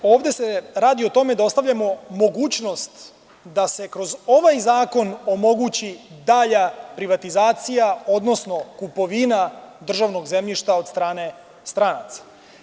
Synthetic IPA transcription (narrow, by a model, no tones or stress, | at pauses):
o̞ːʋd̪e̞se̞ɾaːd̪iot̪o̞me̞d̪ao̞st̪aʋʎamo̞mo̞ɡuːt͡ɕno̞st̪ | d̪ase̞kɾo̞zo̞ʋajzaːko̞no̞mo̞ɡut͡ɕid̪aʎapɾiʋat̪izaːt̪sijao̞d̪no̞sno̞kupo̞ʋinad̪r̩ʒaʋno̞ɡze̞mʎiʃt̪ao̞d̪st̪ɾaːne̞ | st̪ɾanat̪sḁ